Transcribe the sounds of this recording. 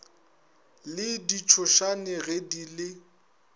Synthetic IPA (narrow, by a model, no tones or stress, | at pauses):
lɪdit͡ʃʰʊʃanɪɣedilɪ